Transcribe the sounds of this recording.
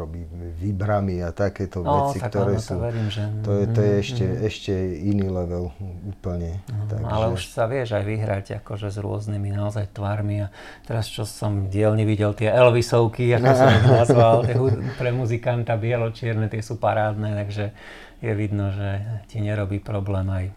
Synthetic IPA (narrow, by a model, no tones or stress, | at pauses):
ɾɔbiː | ʋibɾamiat̪akɛːt̪ɔʋɔt͡stik̪aɡt̪ɔɾɛːɔsɔuʋɛɾiːmʒɛt̪ɔjɛt̪ɔjɛɛʃcɛɛʃcɛinilɛʋɛluːpl̩ɲɛɦt̪a̰ɡʔa̰lɛuʃsaʋɪɛʒajʋiɦɾaɟa̰kɔʒɛzɾʊɔ̰zniminaɔzajt̪ʋaɾmiat̪ɛɾast͡ʃɔsɔmɟɪɛlɲiʋiɟɛlt̪ɪɛɛlʋisɔʊkiakɔsɔnazʋalt̪ɪɛupɾɛmuzikant̪abɪɛlɔt͡ʃɪɛɾnɛt̪ɪɛsupaɾaːd̪nɛt̪aɡʒɛ | jɛʋid̪nɔʒɛciɲɛɾɔbiːpɾɔblɛːmaj